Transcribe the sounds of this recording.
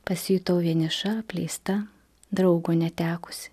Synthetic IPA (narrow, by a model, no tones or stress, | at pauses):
pɐsʲiːt̪oːʋʲiɛnʲɪʃɐɐpʲlʲɛɪst̪ɐ | d̪ɾɐʊɡonʲɛt̪ʲæːkʊ̥sʲɪ̥